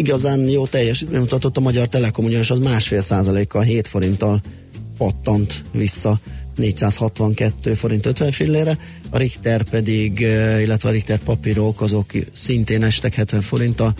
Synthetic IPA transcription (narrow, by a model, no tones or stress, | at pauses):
iɡɒzaːnjoːt̪ɛjːɛʃɛmut̪ɒt̪ot̪ːɒmɒɟɒrt̪ɛlɛko̞muɟɔneʃɒzmaːʃfeːlsaːzɒleːkːɒlɦeːt̪fo̞ɾint̪ɒl | pɒt̪ːɒnt̪ʋisːɒneːcsaːshɒt̪ʋɒŋkɛt̪ːøːfo̞ɾint̪øt̪ʋɛɱfilːeːɾɛ | ɒɾikt̪ɛrpɛd̪iɡilːɛt̪ʋɛɒɾikt̪ɛrpɒpiɾo̞kɒzo̞ksint̪eːnɛʃt̪ɛkhɛt̪ʋɛɱfo̞ɾint̪ɒl